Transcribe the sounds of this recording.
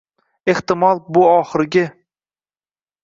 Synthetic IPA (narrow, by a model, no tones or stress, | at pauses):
e̞ht̪ɪmɒlˠbʊɒχɨɾɡʲɪ